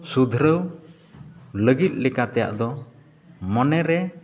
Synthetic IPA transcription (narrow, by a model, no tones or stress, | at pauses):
sud̪ʱɾəw | ləɡit̪̚ˀlɛkat̪ɛja̰ʔd̪ɔ | mɔnɛɾɛ